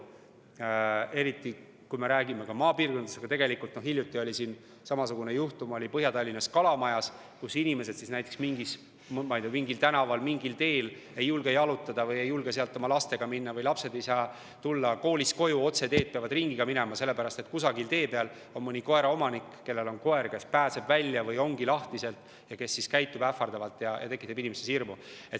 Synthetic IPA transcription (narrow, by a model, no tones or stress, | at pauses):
e̞ɾit̪ːˑi | kujme̞ɾæːɡime̞kɑmɑːpiːrko̞nd̪ɑ̥sɑɡɑt̪e̞ɡe̞likult̪no̞hiljut̪ːˑio̞lʲisiːn | sɑmɑsuɡ̥unejuht̪umo̞lʲipɤɦjɑt̪ɑlʲːinɑskɑlɑmɑjɑs | kusinʲime̞s̬e̞d̪̥sisnæjt̪ːˑeksmiŋɡis | mmɑjd̪emiŋɡilt̪ænɑvɑlmiŋɡilt̪e̞ːl | e̞jːulɡ̥ejɑlut̪ːˑɑd̪̥ɑvɤje̞jːulɡeseɑlt̪ːˑo̞mɑlɑst̪e̞ɡ̥ɑminːɑvɤjlɑpse̞d̪̥e̞jsɑː | t̪ulːɑko̞ːlʲisko̞juo̞t̪se̞d̪e̞ːd̪̥̚peɑvɑd̪riŋɡ̥iɡ̥ɑminemɑse̞lːe̞pæɾɑst̪e̞t̪̚kusɑɡilt̪e̞ːpeɑl | o̞nmɤnʲiko̞e̞ɾɑo̞mɑnikːe̞lːe̞lo̞nko̞e̞rke̞spæːse̞bvælʲːjɑvɯjo̞ŋɡ̥ilɑht̪ise̞lt̪ˑ | jɑke̞sːiskæjt̪ːˑub̥æfːɑrd̪ɑvɑlt̪ˑjɑjɑ̰t̪e̞kːˑit̪ːˑebinimesesirmue̞t̪